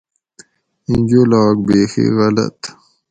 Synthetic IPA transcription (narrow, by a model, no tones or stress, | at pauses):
ĩnd͡ʑolaːk̚beːxḭɣɐlɐ̰t̪